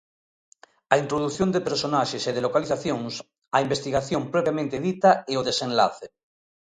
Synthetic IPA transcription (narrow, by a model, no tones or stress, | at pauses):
aint̪ɾoð̞uθjond̪epeɾsonaʃeseðelokaliθaθjõŋs | aimbest̪iɣaθjompɾopjamẽnt̪eðit̪aeoðesẽnla̰θe